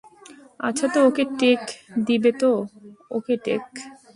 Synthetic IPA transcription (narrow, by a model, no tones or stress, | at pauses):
a̰t͡ɕʰat̪ookeʈekd̪ibet̪ookeʈḛk